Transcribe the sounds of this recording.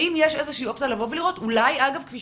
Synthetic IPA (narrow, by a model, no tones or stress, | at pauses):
imjeʃe̞zeʃiːo̞p̚t͡salavo̞vliʁo̞tulajaɡavkfi